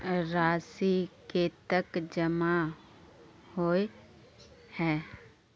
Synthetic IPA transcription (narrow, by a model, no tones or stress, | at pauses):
ɾaːsiket̪əkd͡ʒəma | hoːe | hɛː